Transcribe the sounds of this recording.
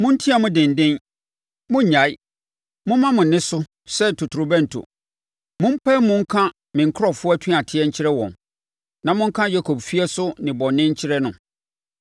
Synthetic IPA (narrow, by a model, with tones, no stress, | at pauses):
mʊ̃˦n̩˦tʰi˦a˨mʊ̃˦dɪ̃˨n˨dɪ̃˦n | mʊ̃˦˨ɲa˨i˦ | mʊ̃˦mã˦mʊ̃˨nːɪ̃˦sʊ˦ | sɛ˦˨tʰʊ˨tʰʊ˨ɾʊ˨bæ̃˦n̩˨tʰʊ̰˨ | mʊ̃˦m̩˦pʰɛ˦mʊ̃˦ŋ̩˦kʰã˦ | mɪ̃˨ŋ̩˨kʰʊ˦ɾɔ˨fʊ˦ɔ˦æ˦tʰĩ˦˨a˨tʰɪ˦ɛ˦ɲ̩˦t͡ɕʰɪ˦ɾɛ˦wɔ̰̃˨n | nã˨mʊ̃˦ŋ̩˦kʰã˦ja˦kʰo˨bfi˦ɛ˦sʊ˦nɪ̃˨bɔ˨nːɪ̃˦ɲ̩˦t͡ɕʰɪ˦ɾɛ˦nʊ̃˨